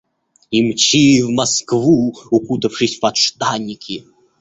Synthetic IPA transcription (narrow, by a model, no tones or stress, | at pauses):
imt͡ɕiwmaskvuukut̪ɐwʂɨsʲpɐt̪ʂt̪anʲːikʲʰi